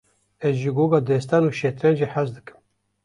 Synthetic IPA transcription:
ɛzʒɨɡoːɡɑːd̪ɛst̪ɑnuːʃet̪ɾɛnʒiħazd̪ɨkɨ̥m

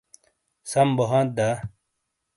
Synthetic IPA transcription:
sɐmbɐɦãːt̪̚d̪a

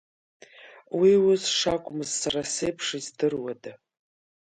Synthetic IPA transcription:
wiwʊsʂakʷʼʊmɨzːaɾasejpʰʂizdɨrwada

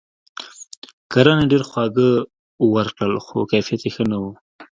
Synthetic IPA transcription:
kaɾɑneɖeɾxwɑɡə | wəɾkɽəlxo̰kajfijat̪jexənawu

